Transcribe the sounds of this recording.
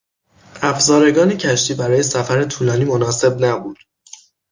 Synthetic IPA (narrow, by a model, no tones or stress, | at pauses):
ʔæfzɒːɾe̞ɡɒːnecʰæʃt̪ʰiːbæɾɒːje̞sæfæɾe̞t̪ʰuːlɒːniːmonɒːse̞bnæbuːd̪̥